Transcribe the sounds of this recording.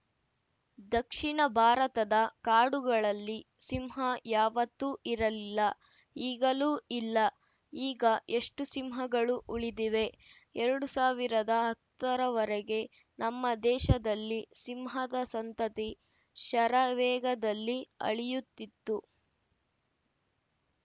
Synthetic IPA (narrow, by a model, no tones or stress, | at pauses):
d̪ɐkʂiɳɐbʱaːɾɐt̪ɐd̪ɐkaːɽuɡɐɭɐlːisimɦɐjaːʋɐt̪ːuʔiɾɐlilːɐ | iːɡɐluːilːɐ | iːɡɐʔe̞ʂʈusimɦɐɡɐɭuʔuɭid̪iʋe̞ | ɛɾɐɽusaːʋiɾɐd̪ɐɦɐt̪ːɐɾɐʋɐɾɛɡe̞ | nɐmːɐd̪ɛːʃɐd̪ɐlːisimɦɐd̪ɐsɐnt̪ɐt̪i | ʃɐɾɐʋɛːɡɐd̪ɐlːiɐ̰ɭijut̪ːit̪ːu